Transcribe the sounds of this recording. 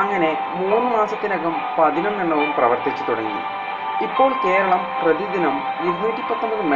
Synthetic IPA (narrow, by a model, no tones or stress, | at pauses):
ɐŋːɐne̞ | muːnːɨmaːsɐt̪ːinɐɡɐm | pɐd̪ʱinɐmneɳːɐʋumprɐʋɐrt̪it͡ɕːut̪uɽɐŋːḭ | ipːo̞ːɭke̞ːɾɐɭɐmprɐðid̪inɐm | iɾnuːʈːipɐt̪ːɐmbɐðɨme